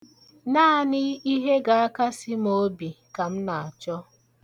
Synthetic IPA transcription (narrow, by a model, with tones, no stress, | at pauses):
naː˦˨nɪ˦i˦ɦe˦ɡa˨a˦ka˦sɪ˦m˦o˦bi˨ka˨m̩˦na˨a˨t͡ʃɔ˦